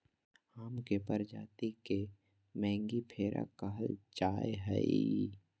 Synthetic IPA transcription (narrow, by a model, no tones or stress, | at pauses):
aːmkepəɾd͡ʒaːt̪ike | mɛ̃ːŋɡipʰeːɾʔa̰kəɦəld͡ʒaːeɦɛ̰i